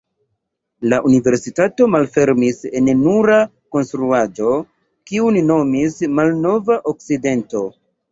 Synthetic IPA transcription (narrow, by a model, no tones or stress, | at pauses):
laʔunive̞ɾsitato̞malfe̞ɾmisennuɾa | konstɾuad͡ʒo̞ | kiunino̞mismalno̞vaʔok̚side̞nto̞